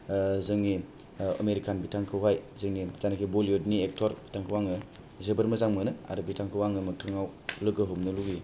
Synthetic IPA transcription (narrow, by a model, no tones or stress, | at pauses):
zɯŋni | ə̰meɾikʰanbitʰaŋkʰɯwajzɯŋnizanakʰiboliodniek̚tʰɔɾbi̥tʰaŋkʰɯwaŋɯ | zɯbɯɾmɐzaŋmɯnɯa̰ɾɯbitʰaŋkʰɯwaŋɯmɯk̚tʰɯŋawlɯɡɯɦɯmnɯluɡi